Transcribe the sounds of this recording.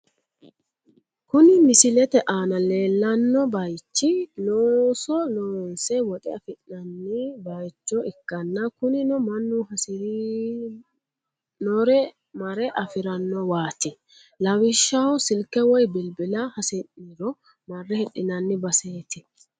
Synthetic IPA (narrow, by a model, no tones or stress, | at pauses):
kʊnɪmɪsɪlɛt̪ɛʔaːnɐle̞ːlːɐnːɔbɐjt͡ʃːɪloːsɔloːnsɛwɔt̪ʼɛɐfɪʔɐnːɪbɐjt͡ʃːɔɪkːɐnːɐkʊnɪnɔmɐnːʊhɐs | nɔɾɛ | mɐɾɛʔɐfɪɾɐnːɔwaːt̪ɪ | lɐwɪʃːɐhɔsɪlkːɛwɔjbɪlbɪlɐhɐsɛʔiɾɔ | mɐrːɛhɛɗɪnɐnːɪbɐseːt̪ɪ